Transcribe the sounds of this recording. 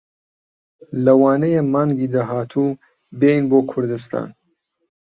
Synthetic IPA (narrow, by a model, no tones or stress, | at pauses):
lɐwɑːnɐjemaːŋɡiːd̪aɦaːt̪ʰu | bejnboːkʰʊɾd̪ɨst̪ʰa̰ːn